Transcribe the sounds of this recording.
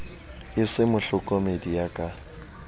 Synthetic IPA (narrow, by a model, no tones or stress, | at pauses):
ɪsɪmʊɬʊkʼɔmedijakʼa